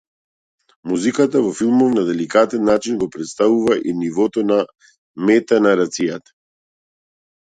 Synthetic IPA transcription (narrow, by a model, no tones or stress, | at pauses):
muzikat̪avɔfilˠmɔfnad̪ɛlikat̪ɛnːat͡ʃinɡɔpɾɛt̪st̪avuvaʔinivɔt̪ɔna | mɛt̪anaɾat̪sijat̪ḁ